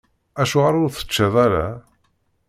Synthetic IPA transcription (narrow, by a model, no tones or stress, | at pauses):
æʃuʁaɾʊɾθə̥t͡ʃːaðˤaɾa̰